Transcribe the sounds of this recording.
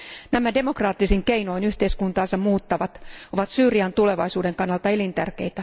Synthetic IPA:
næmæde̞mo̞krɑːt̪ːisiŋke̞jno̞jnyht̪e̞iskunt̪ɑːnsɑmuːt̪ːɑʋɑt̪o̞ʋɑt̪syːɾiɑnt̪ule̞ʋɑjsuːde̞ŋkɑnːɑlt̪ɑelint̪ærke̞̰jt̪æ

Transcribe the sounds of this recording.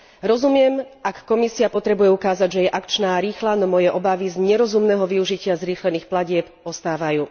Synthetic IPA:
ɾɔzumɪɛmʔakːɔmisiapɔt̪ɾɛbujɛukaːzaɟʒɛjɛʔakt͡ʃnaːɾiːxlanɔmɔjɛʔɔbaʋizɲɛɾɔzumnɛɦɔʋiuʒicɪazɾiːxlɛniːxplaɟɪɛp | ɔst̪aːʋajuː

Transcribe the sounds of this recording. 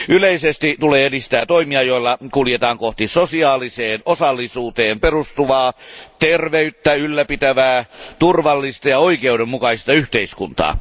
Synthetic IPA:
ʔyleisest̪it̪uleːedist̪æːt̪oimiɑjoilːɑkuljet̪ɑːŋkoht̪isosiɑːliseːnosɑlːisuːt̪eːmperust̪uʋɑːt̪erʋeyt̪ːæylːæpit̪æʋæːt̪urʋɑlːist̪ɑjɑoikeudemmukɑist̪ɑyht̪eiskunt̪ɑ̰ː

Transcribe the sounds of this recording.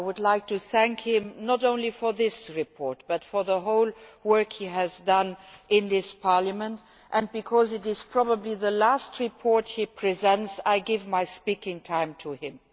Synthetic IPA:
wʊdlaɪk̚tʰuθæ̃ŋkhɪ̃mnɔtɾõʊ̃nlifɔ˞ðɪsɹipʰɔɹt̚b̥ʌtfɔ˞ðəɦoʊlwɜ˞khiæzdʌ̃nʔɪ̃nðɪspʰɑɹləmə̃nt | ʔə̃nbikʰɔzɪɾɪz̥pʰɹ̥ɔbəbliðəlæstʰɹipʰɔɹthipʰɹ̥izɛ̃ntsaɪɡɪvmaɪspikɪ̃ŋtʰãɪ̃mtʰuɪ̃m

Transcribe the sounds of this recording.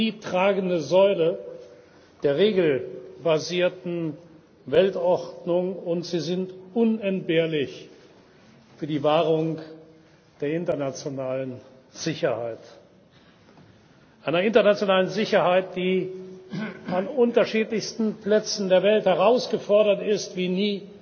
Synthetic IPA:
diːtʁ̥aːɡn̩dəzɔʏlə | d̥eːɐʁeːɡl̩baziːɐtn̩ | vɛltɔʁdnʊŋʊntz̥iːzɪntʔʊnɛnt̚b̥eːɐlɪç | fyːɐdiːvaːʁʊŋ | d̥eːɐɪntɐnat͡sjonaːlən | z̥ɪçɐhaɪt | ʔaɪnɐɪntɐnat͡sjonaːlənzɪçɐhaɪt̚d̥iː | anʊntɐʃiːtlɪçstn̩pl̥ɛt͡sn̩deːɐvɛlthɛʁ̞aʊsɡ̥əfɔɐɾɐtɪstv̥iːniː

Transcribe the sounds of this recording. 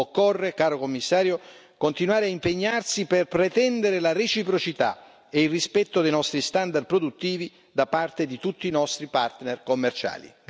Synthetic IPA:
okːorːekaːɾokomːisːaːɾjo | kont̪inwaːɾeaimpeɲːarsiperpɾet̪ɛnd̪eɾelaɾet͡ʃipɾot͡ʃit̪a̰ | eilrispɛt̪ːod̪ejnɔst̪ɾist̪and̪aɾrd̪̚pɾod̪ut̪ːiːvi | d̪apart̪ed̪it̪ut̪ːiːnɔst̪ɾipart̪nerkomːert͡ʃa̰ːlḭ

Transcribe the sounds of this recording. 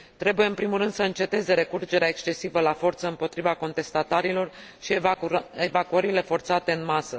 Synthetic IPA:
t̪ɾe̞buje̞ɨmpɾimulɾɨnd̪̥səɨnt͡ʃe̞t̪e̞ze̞ɾe̞kurd͡ʒe̞ɾeaekst͡ʃe̞sivəlafo̞rt̪səɨmpo̞t̪ɾivako̞nt̪e̞st̪at̪aɾilo̞r | ʃieevakuəɾile̞fo̞rt̪sat̪e̞ɨnmasə

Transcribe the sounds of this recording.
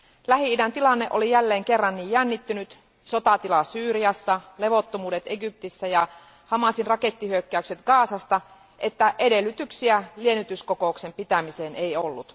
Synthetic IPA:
læhiidænt̪ilɑnːeʔolijælːeːŋke̞rːɑnːiːjjænːit̪ːynyt̪ | sot̪ɑt̪ilɑsyːɾiɑsːɑle̞ʋo̞t̪ːomuːdet̪eɡyp̚t̪isːæjɑ | hɑmɑsinrɑke̞t̪ːihyøkːæykset̪ɡ̥ɑːsɑst̪ɑ | ʔet̪ːæʔede̞lːyt̪yksiælie̞nyt̪yskoko̞ukse̞mpit̪æmiseːnʔejolːut̪

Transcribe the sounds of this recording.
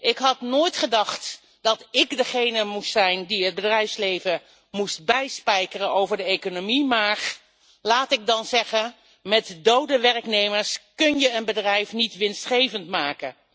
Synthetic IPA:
ʔɪkɦɑtnoːjtχədɑχt | d̥ɑtɪkdəχejnəmustsɛjndiɦəd̚bədrɛjfslejvə | must̚bɛjspɛjkərənowvəɹdəejkonomimaːɹ | laːtɪɡ̚dɑnzɛχə | mɛtdowdəʋɛrknejməɹskɵnjəənbədrɛjfnitʋɪnstχejvəntmaːkə

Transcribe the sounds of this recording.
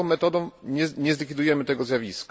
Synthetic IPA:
ɔ̃w̃mɛt̪ɔd̪ɔ̃w̃ɲɛɲɛzlʲikʲid̪ujɛmɘt̪ɛɡɔzʲjavʲisk

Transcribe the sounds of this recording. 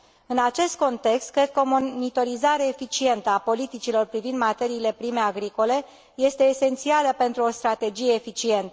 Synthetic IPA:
ɨnat͡ʃe̞st̪̚ko̞nt̪e̞kst̪̚kɾe̞d̪̚kəomo̞nit̪o̞ɾizaɾe̞ːfit͡ʃie̞nt̪əapo̞lit̪it͡ʃilo̞rpɾivind̪mat̪e̞ɾiːle̞pɾime̞aɡɾiko̞le̞ | je̞st̪e̞ːse̞nt̪sialəpe̞nt̪ɾuo̞st̪ɾat̪e̞d͡ʒije̞ːfit͡ʃie̞nt̪ə

